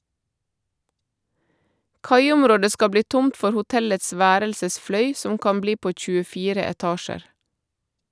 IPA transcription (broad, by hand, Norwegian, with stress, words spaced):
ˈkɑɪʊmˌɾoːdə ˈskɑ ˈbliː ˈtʊmt ˈfɔɾ hʊˈtɛləts ˈʋæːɾəlsəsˌflœʏ ˈsɔm ˈkɑm ˈbliː ˈpoː c͡çʉəˈfiːɾə ɛˈtɑːʃəɾ